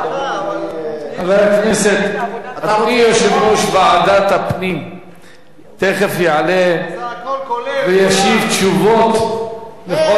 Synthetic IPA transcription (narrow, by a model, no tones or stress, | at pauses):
avalakneset̪at̪nijoʃevɾoʃbeaad̪at̪hapnim | t̪eχefjeʕale | vejaʃivt̪ʃuvot̪beo